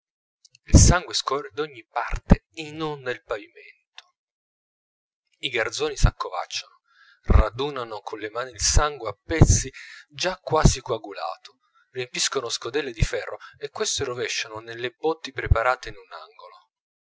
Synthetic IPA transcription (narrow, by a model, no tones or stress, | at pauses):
ilsaŋɡweskɔred̪ɔɲːipart̪eenonːelpavimɛ̰nt̪o̥ | iɡard̪zoːnisakːova̰t͡ʃːano | rad̪uːnanokʰonlemaːniːlsaŋɡweapːɛt̪sːid͡ʒakːwaːsikwaɡula̰ːt̪o̥ | riempiskonoskod̪ɛlːed̪ifɛrːʔo̰ekːwest̪eɾovɛʃːanonelːebɔt̪ːipɾepaɾaːt̪einuna̰ŋɡolo